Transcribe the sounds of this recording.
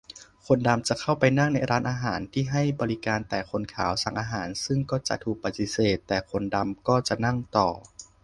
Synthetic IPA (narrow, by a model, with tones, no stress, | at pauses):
kʰo˧nda˧mt͡ɕa˨˩kʰa˥˩wpa˧jna˥˩ŋna˧jɾaː˦˥nʔaː˧ɦaː˩˦nt̪ʰiː˥˩ɦa˥˩jbɔː˧li˦˧kaː˧nt̪ɛː˨˩kʰo˧nkʰaː˩˦wsa˨˩ŋʔaː˧ɦaː˩˦nsɯ˥˩ŋkɔː˥˩t͡ɕa̰˨˩ʔt̪ʰuː˨˩k̚pa˨˩t̪ːi˧˥seː˨˩t̪ːɛː˨˩kʰo˧nda˧mkɔː˥˩t͡ɕa˨˩ʔna˥˩ŋt̪ɔː˨˩